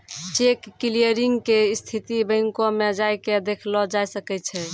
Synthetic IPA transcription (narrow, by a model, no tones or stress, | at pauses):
t͡ʃekːilijəɾiŋɡkest̪ʰit̪ibəŋkomed͡ʒajked̪ekʰlɔd͡ʒajsəkɛt͡ʃʰɛ